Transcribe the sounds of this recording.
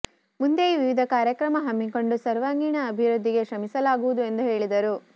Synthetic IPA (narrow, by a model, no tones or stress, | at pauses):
mund̪eiʋiʋid̪ʱɐkaːɾjɐkɾɐmɐɦɐmːiko̞ɳɖusɐɾʋaːŋɡiɳɐːbʱiɾud̪ʱːiɡe̞ʃɾɐmisɐlaːɡuʋud̪ue̞nd̪uɦe̞ːɭid̪ɐɾu